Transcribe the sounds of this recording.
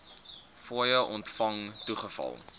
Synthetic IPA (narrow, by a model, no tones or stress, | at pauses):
fuːjəʔɔntfɐŋtuχəfɐ̰lˠ